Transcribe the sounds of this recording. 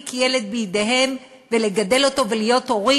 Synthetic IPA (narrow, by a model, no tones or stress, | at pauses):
kjeled̪̚bijid̪e̞ɦe̞m | veleɡad̪e̞lo̞to̞velijo̞t̪o̞ʁi